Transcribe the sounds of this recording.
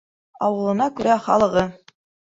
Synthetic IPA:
ɑ̰wɤ̆lˠɤ̆nɑkʉɾæχɑ̰lˠɤ̆ʁɤ

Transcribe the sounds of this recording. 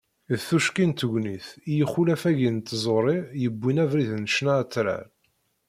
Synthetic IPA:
θːuʃkint̪əʝʷniθijəχulæfæʝint̪ːzˤoɾˤijəbʷːinævɾiðnəʃnat͡sːɾa̰ɾ

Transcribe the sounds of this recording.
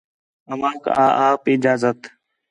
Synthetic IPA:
əʋãːkaːʔaːpɪd͡ʒaːzət̪

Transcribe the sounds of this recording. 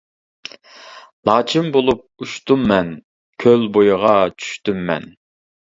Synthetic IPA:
lˠɑːt͡ʃʰimbolˠup̚uʃt̪umːɛn | kʲʰølbojʊʁɑt͡ʃʰy̥ʃt̪ymːɛ̰n

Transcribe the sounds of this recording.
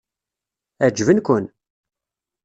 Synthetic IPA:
æd͡ʒvənkʷʊn

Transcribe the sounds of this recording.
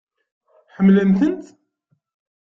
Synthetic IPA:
ħəmːlənθənt̪

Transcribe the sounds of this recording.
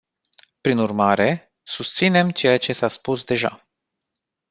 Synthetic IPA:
pɾinurmaɾe̞ | sust̪sine̞mt͡ʃe̞jat͡ʃe̞saspusd̪e̞ʒa̰

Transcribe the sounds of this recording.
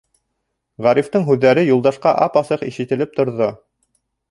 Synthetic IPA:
ʁæɾift̪ɤɴɦʉðːæɾɘjulˠd̪ɑʃqɑʔɑpɑsɤqiʃɘ̆t̪ɘ̆lɘp̚t̪ŏɾðo

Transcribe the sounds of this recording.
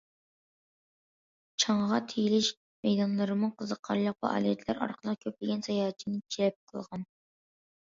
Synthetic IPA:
t͡ʃʰɑɴʁɑt̪ʰejilɪʃ | mɛjd̪ɑnlˠɨɾɨmɨqʰəzəqʰːɑɾlˠɑq̚vɑ̰ʔɑ̰ːlijɛt̪ʰlæɾʔɑ̰ɾqʰəlˠəq̚kʲʰøplɪɡʲɛnsɑjɑːt͡ʃʰːinɨt͡ʃʰelɛp̚qʰə̰lˠʁɑn

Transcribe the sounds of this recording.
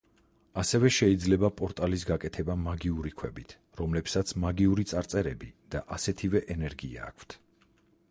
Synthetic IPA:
asɛvɛʃɛid̪zlɛbapʼɔɾt̪ʼalisɡakʼɛt̪ʰɛbamaɡiuɾikʰwɛbit̪ʰ | ɾɔmlɛpsat̪sʰmaɡiuɾit̪sʼaɾt̪sʼɛɾɛbid̪̥aʔasɛt̪ʰivɛʔɛnɛɾɡia̰ːkʰt̪ʰ

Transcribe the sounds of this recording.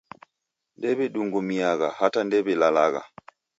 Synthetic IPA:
ndɛβɛɗuŋɡɔmiaɣahatandɛβɛlalaɣa̰

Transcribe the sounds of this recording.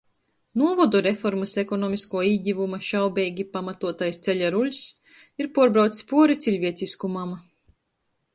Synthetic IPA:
nuɔvɔd̪uɾefɔɾmɨsekɔnɔːmiskuɔiːɟʲivumɐʃawbɛːɡʲipamat̪uɔt̪ajst̪seʎʲaɾulʲs | iɾpuɔɾbɾawt̪sʲspuɔɾit̪sʲiʎʲviɛt̪siskumam

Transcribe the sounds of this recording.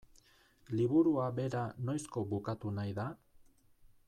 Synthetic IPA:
liβuɾuabe̞ɾano̞jsko̞βukat̪unajða

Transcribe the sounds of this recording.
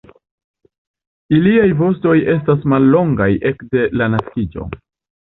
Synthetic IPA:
iliajvo̞sto̞je̞s̬tasmalːo̞ŋɡajʔe̞kde̞lanaskid͡ʒo̞̰

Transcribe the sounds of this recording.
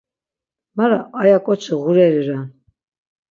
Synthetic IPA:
maɾaajakʼɔt͡ʃʰəɣuɾɛɾiɾa

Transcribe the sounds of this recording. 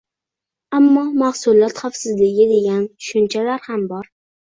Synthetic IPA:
amːɒmahsʊlˠɒt̪χafsɪzlɪɡʲɪd̪e̞ɡʲanʊ̥ʃʊnt͡ʃʰalaɾhambɒɾ

